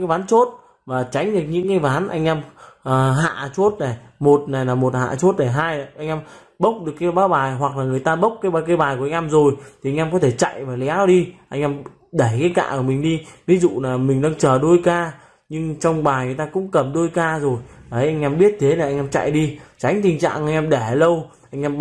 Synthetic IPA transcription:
ɨ˧˨˦jvaː˨˦nt͡ɕo˦˥t̚ | vaː˨˩t͡ɕa˨˦jŋ̟ɗək̚ɲɨ̰˧˥ŋkaː˨˧˦jvaː˨˦nʔa˧jŋ̟ʔɛ˧mʔːɦa̰ː˧˨t͡ɕo˦˥t̚na˨˩jmo˨˩t̚na˨˩jlaː˨˩mo˨˩t̚ha̰ː˧˨t͡ɕo˦˥t̚na˨˩ɦaː˧jʔa˧jŋʔɛː˧m | ɓə˦˥wk͡p̚ɗɨ˨˩əkːaː˨˦jɓaː˨˦wɓaː˨˩jɦwa˨˩k̚laː˨˩ŋɨ˨˩əjt̪aː˧ɓə˦˥wk͡pk̚kːaː˨˦jɓaː˨˧˩kə˧jɓaː˨˩jku˧˩əa˧ŋ̟ʔɛː˧mzo˨˩jt̪ʰi˨ʔa˧jŋʔɛː˧mkɔ˨˦t̪ʰe˧˩t͡ɕa̰˧˨jvaː˨˩lɛ˨˦ɗi˧ʔa˧jŋ̟ʔɛ˧m | ɗə˧˩jkaː˨˦jka̰ː˧˨ku˧˩mï˨˩ŋ̟ɗi˧vi˨˦zṵ˧˨laː˨˩mï˨˩ŋ̟ɗaː˧ŋt͡ɕəː˨˩ɗo˧jkaː˧ | ɲɨ˧ŋt͡ɕɔ˧wŋ͡mɓaː˨˩jŋɨ˨˩əjt̪aː˧kʊ̰˧˥ŋ͡mkə˨˩mɗo˧jkaː˧zo˨˩jaː˨˩hə˨˦ʔa˧ŋ̟ʔɛ˧mɓi˦˥ət̚t̪ʰe˨˦na˨˩ʔa˧jŋ̟ʔɛː˧mt͡ɕa̰˧˨jɗi˧t͡ɕa˨˦jŋ̟t̪ï˨˩ŋ̟t͡ɕa̰ː˧˨ŋʔa˧jŋ̟ʔɛː˧mɗe˧˩˨lə˧wʔa˧jŋ̟ʔɛ˧m

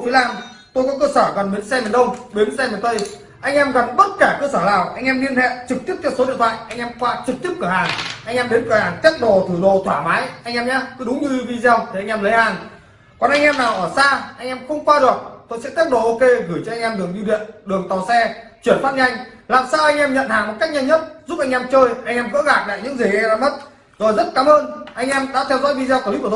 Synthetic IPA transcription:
i˨˦laː˧m | t̪o˧jkɔ˨˦kəː˧səː˧˩kɔ˨˩nɓi˨˦ənsɛ˧mi˨˩ənɗə˧wŋ͡mɓi˨˦nsɛ˧mi˨˩nt̪o˧j | ʔa˧jŋ̟ʔɛ˧mɣa˨˩ŋɓə˦˥t̚kaː˧˩kəː˧səː˧˩laː˨˩wʔa˧jŋʔɛ˧mɗi˧ənhḛ˧˨t͡ɕɨ˨˩k̚t̪i˦˥əp̚t͡ɕ̪ɔ˧so˨˦i˧ənt̪ʰa̰ː˧˨jʔa˧jŋ̟ʔɛ˧mkwaː˧t͡ɕɨ˨˩k̚t̪i˦˥əp̚kɨː˧˩haː˨˩nʔa˧jŋʔɛː˧mɗe˨˦nkɨ˧˩haː˨˩nt͡ɕ̪ɛ˦˥t̚ɗo˨˩t̪ʰɨ˧˩ɗo˨˩t̪ʰwaː˧˩maː˨˦jʔa˧jŋʔɛ˧mɲaː˧kɨ˨˦ɗʊ˨˦ŋ͡mɲɨ˧vi˧zaː˧wt̪ʰi˨ʔa˧ŋ̟ʔɛ˧mlə˨˦jhaː˨˩n | kɔ˨˩nʔa˧jŋ̟ʔɛ˧mnaː˨˩wʔəː˧˩saː˧ʔa˧jŋ̟ʔɛ˧mxə˧wŋ͡mkwaː˧ɗɨ˨˩ək̚t̪o˧jsɛ̰˧˥t̪i˦˥t̚ɗo̰˧˨ʔo˧ke˧ɣɨ˧˩jt͡ɕɔ˧ʔa˧ŋ̟ʔɛ˧mɗɨ˨˩əŋzi˧ɗḭ˧˨ənɗɨ˨˩əŋt̪a˨˩wsɛ˧t͡ɕwi˧˩ənfa˦˥t̚ɲa˧jŋ̟laː˨˩msaː˧wʔa˧jŋʔɛ˧mɲə̰˧˨nhaː˨˩ŋmo˨˩t̚ka˦˥k̚ɲa˧ɲə˦˥t̚zu˦˥p̚ʔa˧jŋ̟ʔɛ˧mt͡ɕəː˧jʔa˧jŋʔɛ˧mɣə̰ː˧˥ɣaː˨˩k̚la̰ː˧˨jɲɨ̰˧˥ŋzi˨˩ɣɛ˧zaː˧mə˦˥t̚ | zo˨˩jzə˦˥t̚kaː˨˦mʔəː˧nʔa˧jŋ̟ʔɛ˧mɗa̰ː˧˥t̪ʰɛ˧wzɔ̰˧˥jvi˧zaː˧wklkː

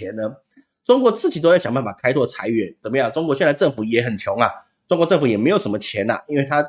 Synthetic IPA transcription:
ɛ˨˥nnə˧ | ʈ͡ʂʊ˥ŋkwɔ˧˥t͡sɹ̩˥˩t͡ɕi˨˩o˥ʊjɕɑ˨ŋmpa˥˩pa˨˩kʰa˥ɪt̪ʰwɔ˥˩t͡sʰa̰˧˥ɪɥɛ˧˥nt͡sə˨˩nmə˧jɑ˥˩ŋʈ͡ʂʊ˥ŋkwɔ˧ɕɛ˥˧nla˧˥ʈ͡ʂɤ˥˩ŋfu˨˩jɛ˨˥˦xə˨˩nt͡ɕʰjʊ˧˥ŋɐ˨ | ʈ͡ʂʊ˥ŋkwɔ˧˦ʈ͡ʂɤ˥˩ŋfu˨˩jɛ˨˩me˧˥ɪjʂə˧˥mə˧t͡ɕʰjɛ˨˧˥nɐ̰˨ʔi˥nwe˥˩ɪt̪ʰa˥

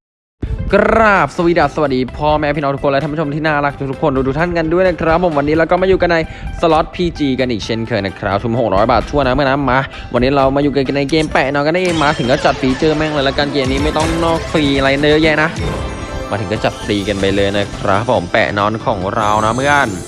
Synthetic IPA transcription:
kɾaː˧˩p̚sa˧wiː˧˩da˨˩p̚sa˧wa˨˩t̪̚diː˧pʰɔː˧˩mɛː˦˧pʰiː˥˩nɔː˧ŋt̪ʰu˦˥kʰːo˧lt̪ʰa˧mːʰ˦˥˩mt̪ʰiː˥˩naː˥˩la˦˥k̪̚ʰuː˦˥t̪u˦˥kʰːo˧nduː˧t̪u˦˥kt̪ʰa˥˩nka˧ndu˥˩jna˦˥kʰɾa˦˥pʰːo˩˦mwa˧nːiː˦˥ɾaː˧wkɔː˥˩maː˧juː˨˩ka˧nːa˧jsə˧lɔ˦˥t̪̚pʰiː˧t͡ɕiː˧ka˧nʔiː˨˩k̚t͡ɕʰe˦˥˩nkʰɤː˧na˦˩kʰɾa˦˥p̚t͡ɕʰu˧m˨ho˨˩ɾɔː˦˥jbaː˨˩t̪̚t͡ɕʰu˥˩əna˦˥mɯ˥˩˨naː˧˥maː˦˧˥ | wʔa˧nːiː˦˥ɾa˧wmaː˧juː˨˩ka˧ka˧na˧jkeː˧mpɛː˨˩nɔː˧˥nka˧nːa˧˥ʔeː˧ŋmaː˧t̪ʰɯ˩˦kɔː˥˩t͡ɕa˨˩p̪̚ːiː˧t͡ɕɤː˧mɛ˦˧˥ŋəː˧jlɛ˦˥wkaː˧nkeː˧mʔniː˦˥ma˥˩jt̪ɔ˥˩ŋnɔː˥˩k̚siː˧la˧ja˧na˧jə˦˥jɛ˦˥na˦˥ | maː˧t̪ʰɯ˩˦kɔː˥˩t͡ɕa˨˩t̪̚ːiː˧ka˧npa˧jlɤː˧jna˦˥kʰɾa̰˦˥pʰːo˨˩˦mpɛ̰ː˨˩ʔnɔː˧˥nkʰɔ̰ː˩˦ŋɾa˧wna˦˥mɯ˥˩a˨n

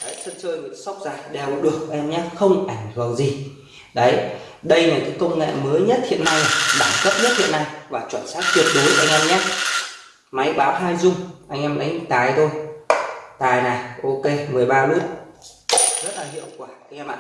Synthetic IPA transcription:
ɗə˨˦jsə˧nt͡ɕəː˧jmḭ˧˨sa˦˥wk͡p̚zaː˨˩jɗɛ˨˩wɓɔ̰˨˦ɗɨ˨˩ək̚ʔʔɛ˧mɲaː˦˥xə˧wŋ͡mʔa˧˩jŋ̟t̪ʰɨ˨˩ənzi˨˩ | ɗə˨˦j | ɗə˧jnaː˨˩kə˨˦kə˧wŋ͡mŋḛ˧˨məː˨˦jɲə˦˥t̚hḭ˧˨ənːa˧ja˨˩ɓaː˧˩ŋkə˦˥p̚ɲə˦˥t̚hḭ˧˨əna˧jvaː˨˩t͡ɕwaː˧˩nsaː˦˥k̚t̪wi˨˩ət̚ɗo˨˦jʔa̰˧jŋ̟ʔɛ˧mɲaː˦˥ | ma˨˦jɓaː˨˦wɦaː˧jzʊ˧ŋ͡mʔa˧jŋ̟ʔɛ˧mɗa˨˦ŋ˨˩t̪aː˨˩jt̪ʰo˧j | t̪aː˨˩jnaː˨˩ʔo˧ke˧mɨ˨˩əjɓaː˧mɨ˦˥ək̚ | zə˦˥t̚laː˨˩hḭ˧˨əwkwaː˧˩ʔa˧jŋ̟ʔɛ˧ma̰ː˧

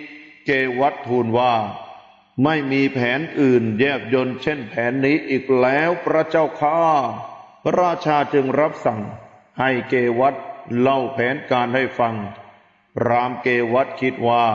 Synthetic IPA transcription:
keː˧wa˦˥t̪ʰːuː˧nwaː˥˩ | ma˥˩jmiː˧pʰɛː˩˦nʔɯː˨˩njɛː˥˩p̚jo˧nt͡ɕʰe˥˩npʰɛː˩˦nːiː˦˥ʔiː˨˩k̚lɛː˦˥wpɾa˧˥t͡ɕa˥˩wkʰaː˥˩pʰɾaː˧t͡ɕʰaː˧t͡ɕɯ˧ŋɾa˦˥p̚sa˨˩ŋ | ha˥˩jkeː˧wa˦˥t̪̚la˥˩wpʰɛː˩˦nkaː˧nha˥˩jfa˧ŋ | ɾaː˧˥mkeː˧wa˦˥t̪̚kʰi˦˥t̪̚waː˥˩

